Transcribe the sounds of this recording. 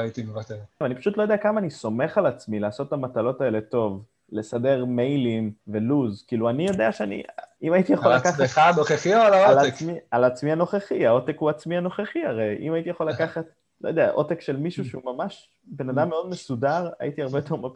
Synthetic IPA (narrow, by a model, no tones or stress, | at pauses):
ait̪imevat̪eʁveanipḁʃut̪lo̞jo̞deakamaːniso̞me̞χalat͡smilaːso̞tamatalo̞tae̞le̞to̞v | le̞sade̞ʁmejlimve̞luzkiːluanijo̞deaʃeanḭimajit̪ijaχollakaχaχanoχeχiolaolamialat͡smiano̞χeχiao̞tekhuat͡smiano̞χeχihaʁe̞jʔḭmait̪ijaχolakaχat̚ | lojod̪eaʔo̞tekʃelmiʃuʃeumamaʃ | be̞nadamːeo̞d̪me̞sudaʁa̰ʔit̪iaʁbe̞tʰova